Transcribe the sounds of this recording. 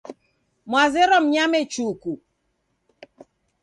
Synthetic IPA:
mwazeɾɔm̩ɲamet͡ʃuku

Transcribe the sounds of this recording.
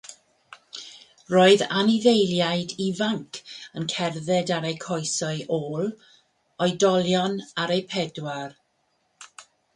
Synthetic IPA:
roːɨðaniðejlˠjajdivaŋkʰənkʰɛrðɛdaɾejkʰɔjsɔɨʔoːlˠ | ɔjdɔlˠjɔnaɾejpʰɛdwar

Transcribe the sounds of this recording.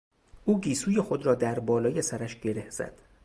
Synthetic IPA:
ʔuːɡiːsuːje̞xo̞d̪ɾɒːd̪æɾbɒːlɒːje̞sæɾæʃɟe̞ɾehz̥æ̰d̪̥

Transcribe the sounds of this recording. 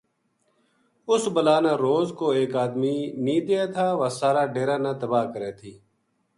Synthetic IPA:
ʊsbəlaːnaːɾoːzkoːeːkaːd̪miːnĩːd̪eːaːt̪ʰaːʋasaːɾaːɖeːɾaːnãːt̪əbaːkəɾeːt̪ʰiː

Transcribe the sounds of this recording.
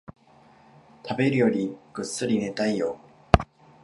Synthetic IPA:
t̪ʰabe̞ɾɯ̟jo̞ɾʲiɡ̥ɯ̟sːɨɾʲine̞t̪aijo

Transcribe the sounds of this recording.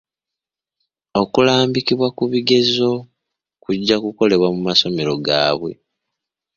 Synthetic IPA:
o̞kulaːmbikiβwakuβiɡe̞zo̞ | kuɟːakuko̞le̞βwamumaso̞me̞ɾo̞ɡa̰ːβwe̞̰

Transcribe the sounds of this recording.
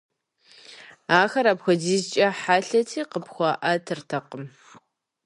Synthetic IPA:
aːxɐɾaːpxʷɔziːzt͡ʃʼɐħaːɬɐtʰiːqəpxʷɑːʔɐtʰɨrtʰɐqəm

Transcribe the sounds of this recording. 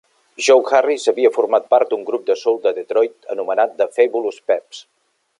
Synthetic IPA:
ʒowxarisəβiəfurmat̪̚paɾt̪̚d̪uŋɡɾup̚d̪əsɔlˠd̪əðet̪ɾɔjt̪ə̰numənat̪̚d̪əfeβuluspɛps

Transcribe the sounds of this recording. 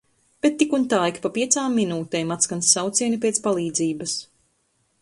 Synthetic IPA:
b̥et̪ːikunt̪ajkpapiɛt̪saːmːinuːt̪ɛːmat̪skansːawt̪siɛnipɛɛt̪spalˠiːd̪ziːbɐs

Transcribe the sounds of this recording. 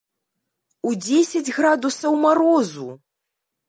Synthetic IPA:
ud͡zʲesʲad͡zʲɣɾad̪usɐwmaɾɔzu

